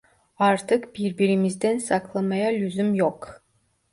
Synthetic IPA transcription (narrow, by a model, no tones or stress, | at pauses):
ɑɾt̪ɯqb̥iɾbiɾimizd̪ensɑqlˠɑmɑjɑlʲyzymjoq